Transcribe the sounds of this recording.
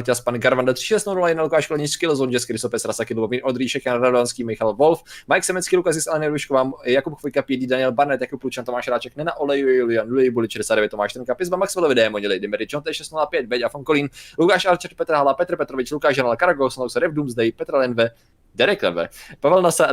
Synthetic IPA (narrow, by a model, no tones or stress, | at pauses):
ɾcʲaspanɡaɾvandat̪r̥ɪ̥ʃɛst̪nunulajɛnalukaːʃkolɛɲiskɪlzond͡ʒɛskɪɾɪsopɛsɾasakɪlubomiːnʔod̪ɾiːʃɛkjananadoanskiːmɪxalvolfmajɛksɛmɛskiːlukazɪsɛlɛnɪɾuʃkovaːmjakupkfojkapjɛdiːdanɪɛlbaɾnɛt̪jakuplut͡ʃant̪omaːʃɾaːt͡ʃɛknɛnaʔolɛjujɛjulɪanulɛjbulɪʃɛdɛsaːdɛvjɛt̪ːomaːʃt̪ɾɛɾŋkapɪzbamaksvɛlovɪdɛːmoɲɪlɪdɛmɛɾɪt͡ʃont̪ɛʃɛst̪nulapjɛt̪̚bɛcafonkoliːnlukaːʃaɾt͡ʃɛɾt̚pɛt̪ɾɦalapɛt̪ɾ̩pɛt̪ɾovɪt͡ʃlukaːʒanalkaɾaɡosnowsɛɾɛbduːmzdajpɛt̪ɾlɛnvɛ | dɛɾɛklɛ̰vɛ̰pavɛlnasa